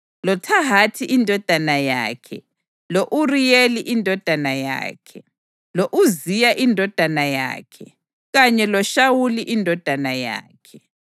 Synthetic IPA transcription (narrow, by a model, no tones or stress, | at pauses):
lɔtʰaɦatʰiʔindʱɔd̥ʱanaja̰ːkʰɛ̰ | loʔurijeliʔindʱɔd̥ʱanaja̰ːkʰɛ | loʔuzijaʔindʱɔd̥ʱanaja̰ːkʰɛ | ɣaɲɛlɔʃawuliʔindʱɔd̥ʱanaja̰ːkʰɛ